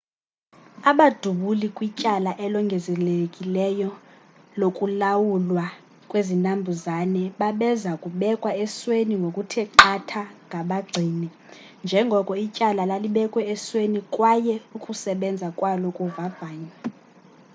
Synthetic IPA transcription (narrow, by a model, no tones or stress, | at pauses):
aɓad̥ʱuɓulikʼwicʼalaʔɛlɔŋɡʱɛzɛlekʼilɛjɔ | lokʼulawulwa | kʼwezintʼambʱuzanɛɓaɓɛzakʼuɓɛkʼwaɛsweniŋɡʱokʼutʰɛǃʰatʰaŋʱaɓaɡ͡ǀʱiːni | nd͡ʒʱɛŋɡʱɔkʼɔicʼalalaliɓɛkʼwɛɛswenikʼwajɛukʼusɛɓɛnd͡zʱakʼwalɔkʼuvav̥aːɲwɛ